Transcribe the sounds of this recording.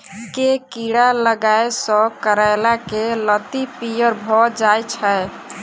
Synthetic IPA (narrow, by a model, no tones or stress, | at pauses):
kekiɽaləɡaesɔ̃kəɾaelakelət̪ipijəɾbʱɔd͡ʒajt͡ʃʰɛ